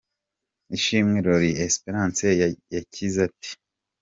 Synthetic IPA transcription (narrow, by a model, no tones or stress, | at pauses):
iʃimŋiɾoɾiespeɾãːnsejacʰizati̥